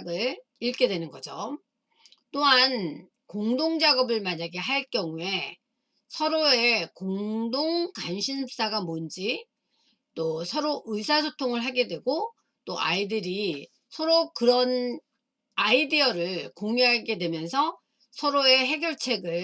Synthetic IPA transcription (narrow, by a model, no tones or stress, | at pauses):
ɡɯɭ | iɭk͈e̞dwe̞nɯnɡʌd͡ʑo | t͈oɦan | koŋdoŋd͡ʑaɡʌbɯɭmaɲaɡe̞ɦaɭk͈jʌŋue̞ | sʰʌɾoe̞koŋdoŋkanɕʰins͈aɡamond͡ʑi | t͈osʰʌɾoʔɯsʰasʰotʰoŋɯɭɦaɡe̞dwe̞ɡo | t͈oʔa̰idɯɾi | sʰʌɾokɯɾʌn | aidiʌɾɯɭkoŋiɦaɭɡe̞dwe̞mjʌnsʰʌ | sʰʌɾoe̞ɦe̞ɡjʌɭt͡ɕʰe̞ɡɯɭ